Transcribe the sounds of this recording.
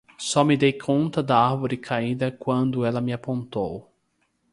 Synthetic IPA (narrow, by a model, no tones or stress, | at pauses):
sɔmɪd̪ejkʰõnt̪ɐd̪ɐaɾvoɾɪkʰaĩd̪ɐkwɐ̃nd̪ʊɛlɐmɪapõnt̪ow